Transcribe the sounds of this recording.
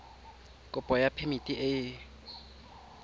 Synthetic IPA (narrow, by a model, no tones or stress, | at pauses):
kʼʊpʼɔjapʰemitʼiʔɪ